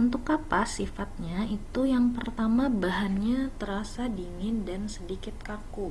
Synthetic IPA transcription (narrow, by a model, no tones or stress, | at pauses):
unt̪ʊkapasifat̪̚ɲait̪ujaŋpərt̪amabaɦanɲat̪əɾasadiŋɪndansədikɪt̪̚kaku